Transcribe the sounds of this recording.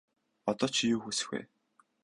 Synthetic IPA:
ɔt̪ɔːt͡ɕʰijuːxusɘ̥̆xḛ

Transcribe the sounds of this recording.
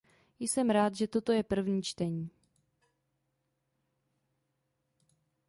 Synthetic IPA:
jsɛmɾaːt̪ʒɛt̪o̞t̪o̞jɛpr̩vɲiːt͡ʃt̪ɛɲiː

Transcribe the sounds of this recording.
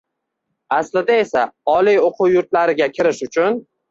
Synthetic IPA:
aslɪd̪ae̞saɒlijoqʰʊwjʊɾt̪̚laɾɪɡʲakʲʰɪɾɪʃʊt͡ʃʰʊn

